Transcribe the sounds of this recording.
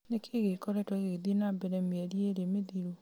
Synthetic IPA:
nekʰeɣekɔɾɛtwɛɣeɣeðinabɛɾɛmiɛɾieɾemeðiɾo

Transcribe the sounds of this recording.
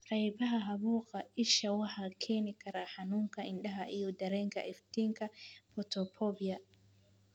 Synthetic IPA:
rɛjbɐɦɐɦɐβuːqɐɪʃɐwɑħɑːkʰɛːnɪkʰɐɾaːħɑnuːŋkʰɐɪnɖɐɦɐʔijɔd̪ɐɾɛːŋkʰɐ̰ʔɪft̪ʰiːŋkʰɐpɔt̪ʰɔpʰɔbɪjɐ

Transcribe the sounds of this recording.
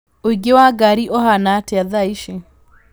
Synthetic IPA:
oiɡewaɡaɾiʔɔɦanateaðaiʃe

